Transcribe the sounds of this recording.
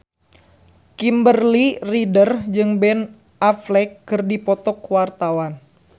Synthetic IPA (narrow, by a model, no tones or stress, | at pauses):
kimbərliridərd͡ʒɨŋbɛn | ʔaflɛkːɨrdipɔt̪ɔkwart̪awan